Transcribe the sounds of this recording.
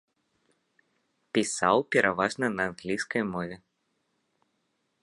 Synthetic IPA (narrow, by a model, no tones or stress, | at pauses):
pʲisawpʲɛɾʔavaʐnɐnɐːnɣlʲijskɐjmɔvʲɛ